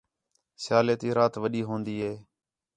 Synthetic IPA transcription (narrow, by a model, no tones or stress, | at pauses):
sjaːleːt̪iːɾaːt̪ʋəɗiːɦõːnd̪iːɦeː